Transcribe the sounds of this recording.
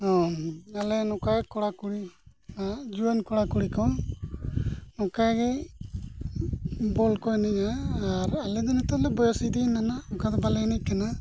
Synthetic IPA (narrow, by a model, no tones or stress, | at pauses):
ɔalɛnɔkakɔɽakuɽiad͡ʒuənkɔɽakuɽikɔ | ɔkaɡɛ | bɔlkɔɛnɛʔaːɾalɛd̪ɛnɛt̪ɔlɛbɔjɔsid̪inanaɔkad̪ɔbalɛɛnɛc̚kana